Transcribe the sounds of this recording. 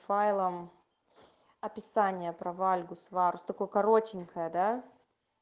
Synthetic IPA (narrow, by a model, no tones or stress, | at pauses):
fajlˠəm | ɐpʲɪsanʲɪjəpɾɐvalʲɡʊsvaɾʊsʲt̪ɐko̞jkɐɾotʲɪnʲkʰəjəd̪a